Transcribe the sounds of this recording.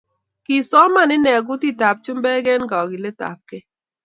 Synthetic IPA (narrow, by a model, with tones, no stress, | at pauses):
ki˨sɔ˦ma˦˨nɪ˦nɛ˨ɡʊ˦ti˦ta˨p̚t͡ʃʊ˦mbɛ˦ɡɛ˦nɡa˨ɡɪ˨le˦ta̰˨p̚kɛ˦